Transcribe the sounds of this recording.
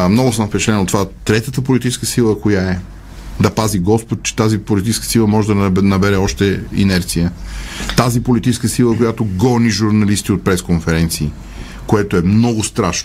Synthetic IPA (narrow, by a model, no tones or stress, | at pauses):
mnɔɡʊsəmfpɛt͡ʃɛt̪lɛnot̪ːovat̪ɾɛt̪ət̪əpolit̪it͡ʃɛskəsilˠəkojaɛ | d̪ɐpaziɡɔspot̪̚t͡ʃɛ̥t̪azipolit̪it͡ʃɛskəsilˠəmɔʒɛd̪ɐnɐbɛɾɛɔʃt̪ɛḭnɛɾt̪sijət̪azipolit̪it͡ʃɛskəsilˠəkojat̪oɡɔniʒuɾnɐlist̪iot̪̚pɾɛskonfɛɾɛnt̪siː | koɛt̪oɛmnɔɡʊst̪ɾaʃn